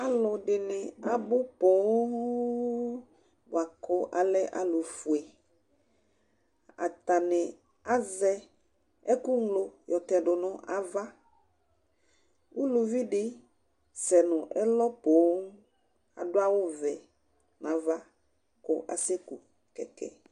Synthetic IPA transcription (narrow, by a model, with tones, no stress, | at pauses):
a˦lʊ˨ɖɪ˨nɪ˨a˨bʊ˦po˨˦ | bʊ˨a˨kɔ˦ʔa̰˨lɛ˦ʔa̰˨lʊ˨fu˨ɛ˨ | a̰˨t̪a˨nɪ˨ | a˦zɛ˦ | ɛ˦ku˦ŋlo˨jɔ˨t̪ɛ˨ɖʊ˨nʊ̃˦ʔa˨va˦ | wu˦lu˨vi˦ɖɪ˦ | sɛ˨nʊ̃˨ʔɛ˦lɔ˦po˨˦ŋ˦ | a̰˨dʊ˦a˦wʊ˦vɛ˨ | nã˨va˦ | kʊ̰˦ʔa̰˨se˦ku˨ | kɛ̰˨kʰɛ̰˨